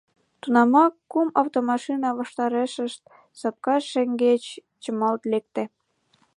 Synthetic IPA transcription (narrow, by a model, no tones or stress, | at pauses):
t̪unɑmɑkːumɑwt̪omɑʃinɑβɑʃt̪ɑɾeʃə̆ʃt̪̚ | sɑp̚kɑʃːeŋɡet͡ɕ | t͡ɕəmɑlt̪lek̚t̪ĕ